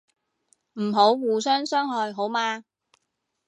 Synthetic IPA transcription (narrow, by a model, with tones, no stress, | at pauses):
m̩˨˩ɦo˨˥wwuː˨sœː˥ŋsœː˥ŋɦɔː˨˧jɦo˨˥wmaː˧